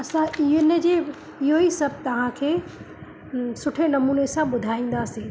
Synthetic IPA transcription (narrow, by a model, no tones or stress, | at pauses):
ɐsãɪɦənd͡ʑeː | ɪɦoisɐb̚ʱt̪ɐʋ̤ãkʰeː | sʊʈʰenɐmuːnesãɓʊd̪ʱaːĩːn̆d̪aːsĩː